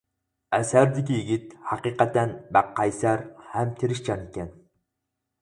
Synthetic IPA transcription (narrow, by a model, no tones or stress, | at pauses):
æsæɾd̪ɪkʲijiɡʲit̪hɑqiqɑt̪ænbæqːɑjsæɾhæmt̪ʰeɾɪʃt͡ʃʰɑnɪkʲɛn